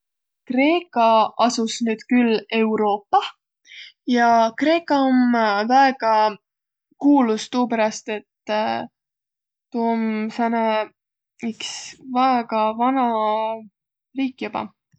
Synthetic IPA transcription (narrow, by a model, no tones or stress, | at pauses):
kre̞ːkːˑɑɑsusnyːd̪̥kylːe̞wɾo̞ːpːɑ | jɑkre̞ːkːˑɑomvæeɡ̥ɑ | kuːlust̪uːpæɾɑst̪e̞t̪ː | t̪uomfænɑ | iksvæeɡ̥ɑvɑnɑ | riːkːˑjub̥ɑ̰